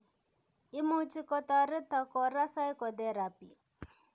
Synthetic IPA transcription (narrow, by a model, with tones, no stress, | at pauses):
i˦mu˦t͡ʃi˦kɔ˨t̪a˨ɾɪ˦t̪a˨kɔ˨ɾa˦sa˦i˦kɔ˨d̪ɛ˦ɾa˨pi˨